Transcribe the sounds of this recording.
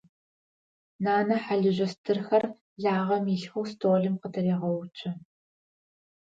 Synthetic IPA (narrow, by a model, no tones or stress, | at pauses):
naːnɐħaɮɨʑʷɐstʰɨrxɐr | ɮaːʁɐmiɬxuwstʰoːɮɨmqətʰɐreːʁɐwt͡ʃʰʼɐ